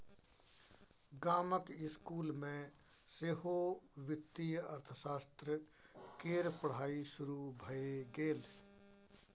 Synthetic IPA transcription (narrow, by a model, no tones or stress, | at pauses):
ɡaːməkɪskuːlmẽ | seːɦoʋɪt̪ːijəɾt̪ʰəsaːst̪ɾə | keːɾpəɽ̤aːiʃʊɾubʱəeɡeːl